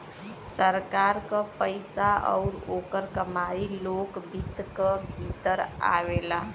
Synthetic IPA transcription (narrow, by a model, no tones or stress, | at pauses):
səɾkaɾkə̃pəɪsaɔ̰ʊɾokəɾkəmaɾilokbʱit̪kəbʱit̪əɾa̰wela